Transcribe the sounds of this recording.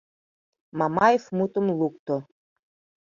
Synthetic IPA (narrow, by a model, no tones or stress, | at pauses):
mɑmɑjefmut̪ə̆mlˠuk̚t̪o